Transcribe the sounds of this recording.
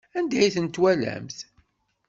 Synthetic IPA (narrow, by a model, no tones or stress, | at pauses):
ænd̪æjθənt̪wælæ̰mθ